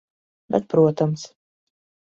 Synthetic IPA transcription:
bɛ̰t̪̚pɾuɔt̪ɐms

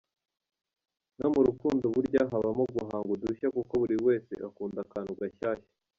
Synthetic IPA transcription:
nomuɾukuːndoβuɾɟaɦaβamoɡuɦaːŋɡuduçakuko̞βuɾiwe̞ːse̞̰ʔakuːndakaːnuɡaçaːçḁ

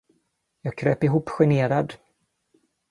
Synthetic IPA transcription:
jɑːɡ̚kʰɾøːpɪɦuːpːɧɪneːɾad̪

